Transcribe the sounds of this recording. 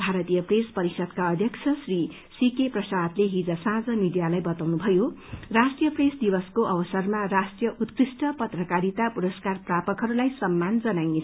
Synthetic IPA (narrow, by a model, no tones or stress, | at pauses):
bʱaɾʌt̪ijʌprespʌɾisʌd̪kaʌd̪ʱjʌksʰʌsri | sikeprʌsad̪leɦid͡zʌsãd͡zʌmid̪ijalajbʌt̪awnubʱʌjorasʈijʌpresd̪ibʌskoʔʌbʌsʌrmarasʈjʌʔut̪krisʈʌpʌt̪rʌkaɾit̪apuɾʌskarprapʌkɦʌɾulajsʌmːand͡zʌnajnet͡sʰʌ